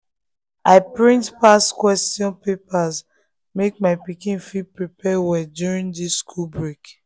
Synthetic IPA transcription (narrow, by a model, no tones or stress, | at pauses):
ʔaɪpɹĩntpaskwɛstjɔ̃npepaz | mek̚maɪpikĩnfipɹipɛwɛdjuɹĩŋdiskʰulbɹek